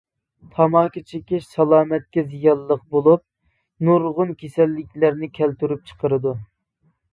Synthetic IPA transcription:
t̪ʰɑmɑːkʲit͡ʃʰekʲɪʃsɑlˠɑːmɛt̪̚kʲɛzijɑnlˠəq̚bolˠup̚ | nuɾʁʊnkʲʰesɛlːɪkʲlæɾnɪkʲʰɛlt̪yɾyp̚t͡ʃʰə̥qʰəɾɨd̪u

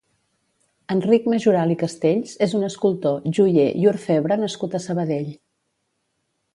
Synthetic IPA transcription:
ənrik̚məʒuɾalikəst̪eʎzezunəskulˠt̪oʒuʎej̰uɾfɛβɾənəskut̪əsəβəðeʎ

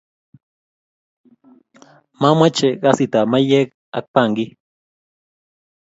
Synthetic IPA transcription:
mamat͡ʃeɢasit̪amajek | a̰k̚paŋɡi

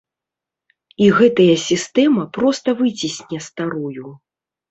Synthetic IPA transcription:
iɣɛt̪ɐjɐsʲist̪ɛmɐpɾɔst̪ɐvɨt͡sʲisʲnʲɛst̪aɾuju

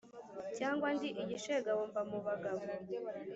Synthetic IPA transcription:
caːŋɡwandiʔiɟiʃeɡawoːmbamuβaɡaβo

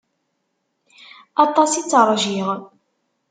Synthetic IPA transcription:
ɑt̪ˤɑsit͡sːɾˤʒiʁ

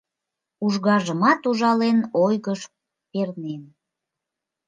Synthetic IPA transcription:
uʒɣɑʒəmɑt̪uʒɑlenojɣəʃ | pernen

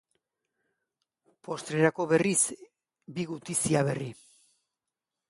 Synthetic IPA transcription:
po̞st̪ɾe̞ɾako̞βe̞riz | biɣut̪isiaβ̞e̞ri

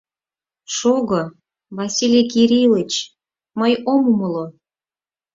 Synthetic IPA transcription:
ʃoɣɤ | βɑsʲilʲikiɾʲilət͡ɕ | məjomuməlo

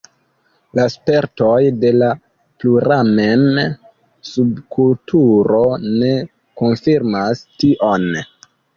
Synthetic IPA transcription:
laspe̞ɾto̞jde̞la | pluɾamen | subkultʰuɾo̞ne̞ | ko̞nfiɾmastiʔo̞n

